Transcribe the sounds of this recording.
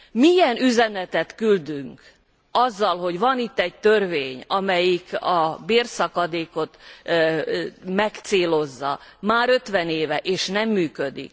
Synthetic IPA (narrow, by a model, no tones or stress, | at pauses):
mijɛnyzɛnɛt̪ɛt̪kyld̪yŋk | ɒzːɒlɦo̞ɟvɒnit̪ːɛɟ̚t̪ørveːɲɒmɛjikɒbeːrsɒkɒd̪eːko̞t̪ | mɛkt̪seːlo̞zːɒ̰maːɾø̞t̪ʋɛneːvɛʔeːʃnɛmːyːkød̪ḭk̚